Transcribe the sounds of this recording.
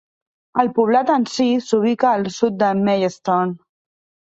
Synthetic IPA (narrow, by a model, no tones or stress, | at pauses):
əlpuβ̞lat̪ənsisuβ̞ikaːlˠsut̪̚d̪əmejəst̪on